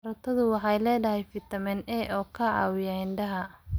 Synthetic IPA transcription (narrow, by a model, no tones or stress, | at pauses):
ɾɐt̪ʰɐðʊwɑħɑjlɛːɖɐɦɛjfɪt̪ʰɐmɛnɛːʔɔːkʰɐʕɑ̰wɪjaɪnɖɐɦɐ